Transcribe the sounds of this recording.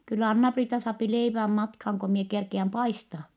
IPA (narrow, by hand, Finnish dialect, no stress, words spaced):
kylːæ ɑnːɑpriːtɑ sɑːpi leiʋæm mɑtkhɑːŋ ko mie kerkiæm pɑistɑː